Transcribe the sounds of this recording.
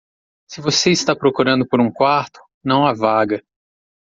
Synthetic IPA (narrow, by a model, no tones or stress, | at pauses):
sɪvoseist̪apɾokuɾɐ̃nd̪ʊpoɾũkwaɾt̪ʊ̥ | nɐ̃w̃avaɡɐ